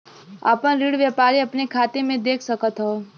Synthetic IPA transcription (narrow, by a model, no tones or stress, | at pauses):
a̰ːpəɳɾiɽʋjəpaːɾiəpnekʰaːt̪emẽd̪eːkʰsəkət̪ɦɔ